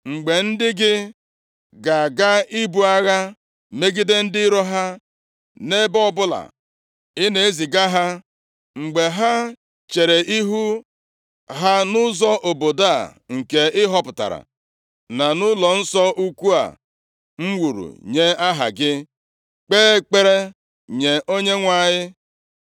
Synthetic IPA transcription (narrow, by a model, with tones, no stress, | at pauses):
ŋ͡m̩˨ɡ͡be˨n̩˦dɪ˦ɡɪ˦ | ɡa˨ɡa˦i˦bu˨a˦ɣa˦ | me˦ɡɪ˦de˦n̩˦dɪ˦ɾɔ˦ɦa˦ | ne˦bɔ˦bʊ˦la̰˨ | ɪ˦ne˨e˦zi˨ɡa˦ɦa˦ | ŋ͡m̩˨ɡ͡be˨ɦa˦ | t͡ʃe˨ɾe˨i˦ɦu˦ | ɦa˦nʊ˦zɔ˦ʔo˨bo˨da̰˦˨ŋ̩˨ke˨ɪ˦ɦɔ˦pʊ˨ta̰˨ɾa̰˨ | na˨nʊ˦lɔ˨n̩˦sɔ˦ʔu˦kʷu˦a̰˨ | ŋ͡m̩˦wu˨ɾṵ˨ɲe˦a˦ɦa̰˨ɡɪ˦ | k͡peː˦k͡pe˦ɾe˦ | ɲe˨ʔo˦ɲe˦ŋʷa˨ɲɪ˦